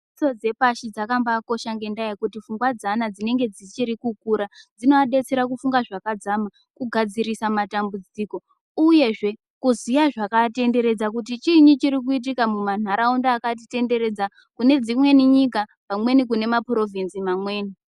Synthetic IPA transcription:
t͡so̞d͡ze̞paʃid͡zakambako̞ʃaŋɡe̞ndaikutifuŋɡwad͡zanad͡zine̞ŋɡe̞d͡zit͡ʃiɾikukuɾad͡zino̞aɗe̞t͡se̞ɾakufuŋɡaʐakad͡zama | kuɡʱad͡ziɾisamatambud͡ziko̞ | uje̞ʐe̞ | kuzijaʐakate̞nde̞ɾe̞d͡zak̬ut̬it͡ʃiɲit͡ʃiɾik̬uit̬ikamuman̤aɾaundaːkat̬ite̞nde̞ɾe̞d͡za | kune̞d͡zimwe̞niɲik̬apamwe̞nikune̞mapro̞vinsimamwe̞ːni

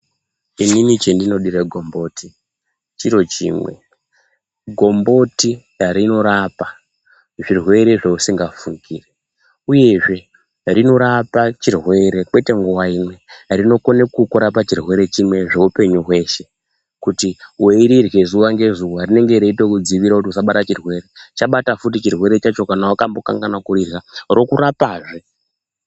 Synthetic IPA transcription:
ininit͡ʃendino̞ɗiɾeɡʱo̞mbo̞ti | t͡ʃiɾo̞t͡ʃḭːmwe̞̰ | ɡʱo̞mbo̞ti | ɾino̞ɾapa | ʐirwe̞ɾe̞ʐeusiŋɡafuŋɡiːre | uje̞ʐe̞ | rino̞ɾapat͡ʃirwe̞ɾe̞kwe̞te̞ŋɡuwaimwe̞rino̞ko̞ne̞kukuɾapat͡ʃirwe̞ɾe̞t͡ʃimwe̞ʐe̞upe̞ɲuɦwe̞ʃe̞ | kutiweiɾirwe̞zuʋaŋɡe̞ʐuwarine̞ŋɡe̞ɾeitokud͡ziʋiɾakut̬iusaɓatat͡ʃirwe̞ɾe̞t͡ʃaɓatafutit͡ʃirwe̞ɾe̞t͡ʃat͡ʃo̞kanawakambo̞ka̰ŋɡanakuɾirɣaro̞kuɾapaːʐe

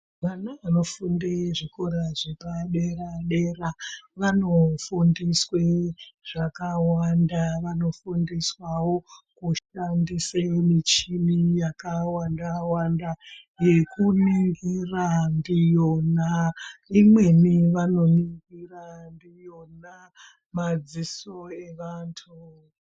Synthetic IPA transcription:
ʋanaʋano̞fundeʐikoɾaʐepaɗeraɗeraʋano̞fundisweʐ̥akawandaʋano̞fundiswawo̞kuʃandisemit͡ʃinijakawandawandaje̞kuniŋɡirandijo̞naimwe̞niʋano̞niŋɡirandijo̞na | mad͡ziso̞e̞ʋantʰu

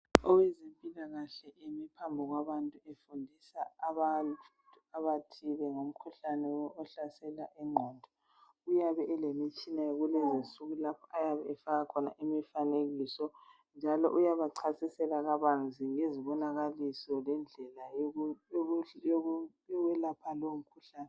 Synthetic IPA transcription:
ɔwɛzempʼilaɣaɬɛʔemipʰambʱɔɣwaβantʼuefundʱisaːβa | aβatʰilɛŋom̩kʰuɬanɛɔɬasɛlaʔɛŋ͡ǃʱɔːndʱɔ | ujaβɛʔɛlemit͡ʃʼinajɣulɛzinsuɣulapʰɔ̥ajaβɛɛfaɣakʰɔna̰ʔimifaneɣisɔ | nd͡ʒʱalɔ̰ʔujaβaǀʰasisɛlaɣaβand͡zʱiŋeziβɔnaɣalisɔlɛnd͡ɮʱɛla | ɔɣwɛlapʰalom̩kʰuɬaːnɛ

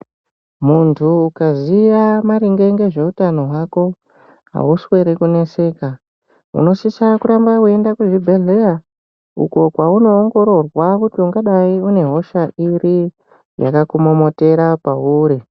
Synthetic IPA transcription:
muntʰuːkaziʋamaɾiŋɡe̞ŋɡe̞ʐe̞utano̞ɦwako̞ | ɦa̰uswe̞ɾekune̞se̞ːka | ṵno̞sisakuɾambakue̞ndakuʐibʱeleja | ṵko̞kwauno̞ːŋɡo̞ɾo̞rwakutiuŋɡaɗaiune̞ɦo̞ʃairi | ja̰kakumo̞mo̞te̞ɾapauːɾi

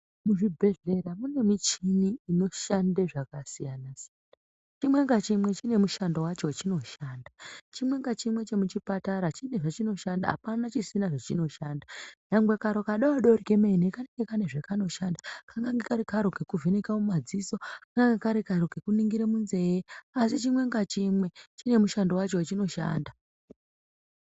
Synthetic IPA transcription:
muʐibʱe̞ɮe̞ɾamune̞mit͡ʃiniːno̞ʃandeʐakasijanasijana | t͡ʃimwe̞ŋɡat͡ʃimwe̞t͡ʃine̞muʃandowat͡ʃo̞t͡ʃino̞ʃaːndat͡ʃimwe̞ŋɡat͡ʃimwe̞t͡ʃe̞mut͡ʃipataɾat͡ʃine̞ʐat͡ʃino̞ʃanda̰a̰panat͡ʃisinaʐat͡ʃino̞ʃandajaŋɡwe̞kaɾokaɗawaɗorikemenekane̞ŋɡekane̞ʐekano̞ʃandakaŋɡaŋɡekaɾikaɾoɡʱekuvenekamumad͡zisokaŋɡaŋɡekaɾikaɾoɡʱekuniŋɡiɾemunze̞jeasit͡ʃimwe̞ŋɡat͡ʃimwe̞t͡ʃine̞muʃando̞wat͡ʃowat͡ʃino̞ʃa̰ːnda

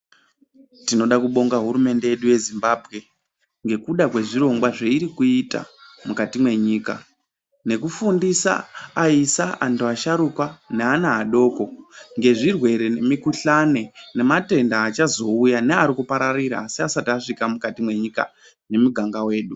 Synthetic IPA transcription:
tino̞ɗakuɓo̞ŋɡaɦuɾume̞nde̞jeɗuje̞zimbaːbʱɣe̞ | ŋɡe̞kuɗakwe̞ʐiɾo̞ŋɡwaʐeiɾikuita̰mukatimwe̞ɲiːka̰ | ne̞kufundisa̰aisaʔantuaʃaɾukwaneanaːɗo̞ːko̞ŋɡe̞ʐirwe̞ɾe̞ne̞mikuɬane̞ne̞mate̞ndaːt͡ʃazo̞ujaneaɾikupaɾaɾiɾa̰ːsiasataʂikamukatimwe̞ɲika̰ | ne̞muɡʱaŋɡawe̞ːɗu

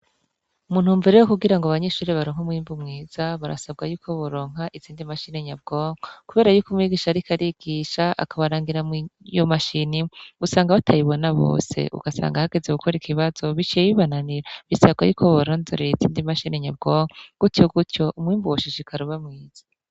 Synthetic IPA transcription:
umuːn̥humveɾewokuɡiɾaŋɡoaβaɲeʃuːɾiβaɾoŋ̥umwiːmbumŋiːz̥aβaɾa̰sab̚ɡajuːkʰo̞βoɾo̞ːŋ̥aʔiziːndimaʃineɲab̚ɡ̥oːŋokuβe̞ːɾajuːkumŋiɡiːʃaɾikʰaɾiɡiʃaa̰kaβaɾaːŋɡiɾamjomaʃiniɡusaːŋɡaβatʰajiβonaβo̞̰ːse̞̰ʔṵɡ̥asa̰ːŋɡahaɡe̞zeɡukʰoɾikʰiβazo̞βit͡ʃijeβiβananiɾaβisab̚ɡajuːkʰoβoɾoːnzoɾeizḭːndimaʃineɲab̚ɡoːŋɡ̥utjoɡutco̞ʔumwiːmbuwaʃiʃikʰaɾoβamŋiːz̥ḁ

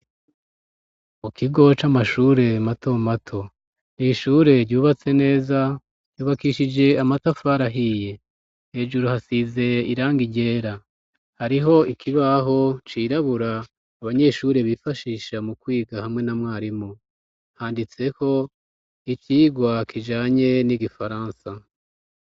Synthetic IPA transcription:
mukiɡo̞t͡ʃamaʃuːɾe̞mato̞matʰo̞ | niʃuːɾe̞ɾɟuːβat͡se̞ne̞ːzḁ | juːβakiːʃid͡ʒe̞amatafaɾaɦije̞ | he̞ʒuɾuhasize̞iɾaːŋɡiɟe̞ːɾa | haɾiɦo̞ikʰiβaɦo̞t͡ʃiːɾaβuɾaː | βaɲe̞ʃuɾe̞βifaʃiːʃamukwiːɡahamŋe̞namŋaːɾimo | haːndit͡se̞ko̞ | iciːɡwakʰid͡ʒaːɲe̞niɡifaɾaːnsa

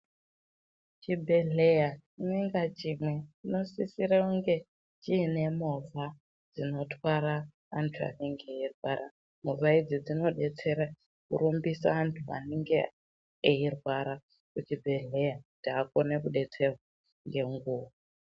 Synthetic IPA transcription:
t͡ʃibʱeɮejaineŋɡat͡ʃimwe̞t͡ʃino̞sisiɾauŋɡe̞ | t͡ʃiːne̞mova | d͡zino̞twaɾaː | ntʰua̰neŋɡeirwaɾa | movaid͡zid͡zino̞ɗe̞t͡se̞ɾa | kṵɾumbisa̰antʰua̰niŋɡeː | irwaɾa | kut͡ʃibʱe̞ɮejatiakonekuɗe̞t͡se̞rwa | ŋɡe̞ŋɡuːʋa

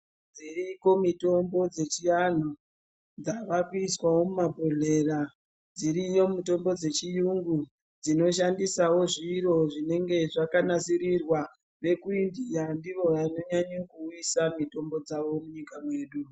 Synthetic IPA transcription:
d͡ziriko̞mito̞mbo̞d͡ze̞t͡ʃijan̤o | d͡zaʋakiswawo̞mumabʱo̞ɮera | d͡ziɾijo̞muto̞mbo̞d͡ze̞t͡ʃijuŋɡu | d͡zino̞ʃ̬andisawo̞ʐiro̞ʐine̞ŋɡe̞ʐakanasiɾirwa | ʋe̞kuindijandiʋo̞ano̞ɲaɲokuːisamito̞mbo̞d͡zaʋo̞muɲikamwe̞ːɗu

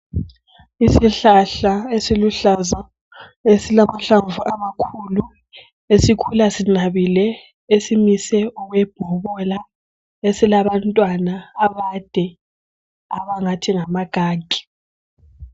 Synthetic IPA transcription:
isiɬaɬaesiluɬaza | esilamaɬaɱvuʔamakʰulu | esikʰulasinaβilɛ | esimisɛɔɣwɛb̥ʱɔβɔla | esilaβantʼwanaːβad̥ʱɛ | aβaŋatʰiŋamaɡ̥ʱaːɡʱʼi̥

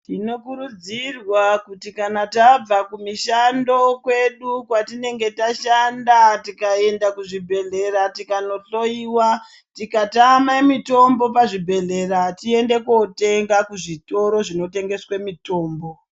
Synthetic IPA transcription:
tino̞kuɾud͡zirwakutikanatab͡vakumiʃando̞kwe̞ɗukwatine̞ŋɡe̞taʃandatikae̞ndakuʐibʱe̞ɮe̞ɾatikano̞ɬo̞iwa | tikatamamito̞mbo̞paʐibʱe̞ɮe̞ratie̞nde̞ko̞te̞ŋɡakuʐito̞ɾo̞ʐino̞te̞ŋɡe̞swemito̞ːmbo̞

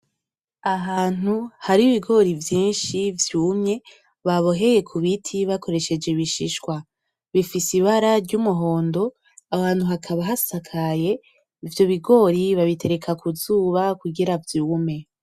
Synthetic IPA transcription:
aɦaːn̥uhaɾiiβiɡo̞ɾivjiːnʃivjuːmɲe̞ | βaβo̞ɦe̞je̞kʰuβitʰiβako̞ɾe̞ʃe̞d͡ʒe̞βiʃiʃkwa | βifisiβaɾaɾɟumuɦo̞ːndo̞ | ahaːn̥huɦakʰaβaɦasakʰaje̞ | ivjo̞βiɡo̞ɾiβaβitʰe̞ɾe̞kʰakuzuːβakuɡiɾavjume̞

